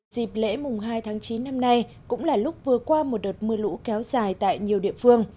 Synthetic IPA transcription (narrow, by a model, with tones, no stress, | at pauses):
zi˨˩p̚lḛ˧˥mʊ˨˩ŋ͡mɦaː˧jt̪ʰaː˨˦ŋt͡ɕi˨˦nːa˧mna˧j | kʊ̰˧˥ŋ͡mlaː˨˩lʊ˦˥k͡p̚vɨ˨˩əkwaː˧mo˨˩t̚ɗo˨˩t̚mɨ˧əlṵ˧˥kɛ˨˦wzaː˨˩jt̪a̰ː˧˨jɲi˨˩əwɗḭ˧˨əfɨ˧əŋ